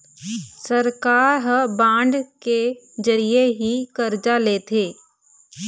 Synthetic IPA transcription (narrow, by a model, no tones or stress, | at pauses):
səɾkaːɾɦəbãːɳɖke | d͡ʒɐɾijeɦikɐɾd͡ʒaleːt̪ʰeː